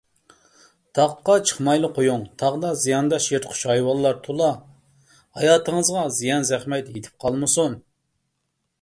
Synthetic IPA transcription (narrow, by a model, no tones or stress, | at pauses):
t̪ʰɑqqːɑt͡ʃʰə̥χmɑjlˠəqʰojuŋt̪ʰɑʁd̪ɑzijɑnd̪ɑʃjet̪qʰʊ̥ʃɑjwɑlˠːɑɾt̪ʰolˠɑ | hɑjɑːt̪ʰəŋəzʁɑzijɑnzɛχmɛt̪et̪ʰɪ̥p̚qʰɑlˠmɨsun